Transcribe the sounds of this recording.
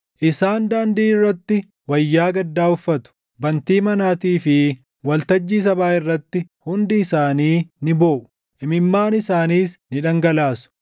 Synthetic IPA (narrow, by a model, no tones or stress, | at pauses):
ʔɪsaːnd̪aːnd̪iːɪrːɐt̪ːɪ | wɐjːaːɡɐd̪ːaːʊfːɐt̪ʊ̥ | bɐnt̪iːmɐnaːt̪iːfɪ | wɐlt̪ɐd͡ʒːiːs̬ɐbaːɪrːɐt̪ːɪhʊnd̪ɪːsaːniːnɪboːʔʊ | ʔɪmɪmːaːnɪsaːniːsnɪᶑɐŋɡɐlaːsʊ̥